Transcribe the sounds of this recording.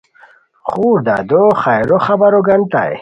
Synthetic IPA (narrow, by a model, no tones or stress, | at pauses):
χuːɾd̪a̰ːd̪oχajɾoχɐbɐɾoɡɐnt̪a̰ḛ